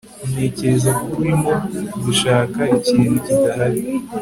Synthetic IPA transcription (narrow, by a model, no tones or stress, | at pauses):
ume̞ce̞ɾe̞zakuɾimo̞ziʃaːkaiciːndocidaɦaɾi